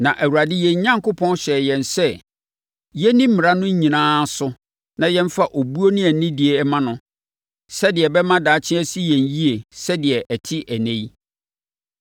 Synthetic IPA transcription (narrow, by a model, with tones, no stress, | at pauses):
nã˨ʔæ˨wu˨a˨dɪ˦jɛ̃˨ɲ˨˦ɲã˦ŋkʊ˦pʰɔ̃˦n˦ɕɛ˨jɛ̃˨nsɛ˦ | jɛ˦nĩ˦m̩˦mɪ˨ɾa˦nʊ̃˦ɲ˦ɲĩ˨nãː˦sʊ˦ | nã˨jɛ̃˦m˦fa˦ʔo˨bu˦o˦nɪ̃˦ɛ˨n˨nɪ̃˦dɪ˨e˨˦mã˦nʊ̃˦ | sɛ˦dɪ˨ɛ˨bɛ˦mã˦daː˨˦t͡ɕʰɪ̃˦æ˦si˦jɛ̃˨ɲ˨˦ji˦e˨sɛ˦dɪ˨ɛ˨ʔɛ˨tʰɪ˦ʔæ˨nẽ˦j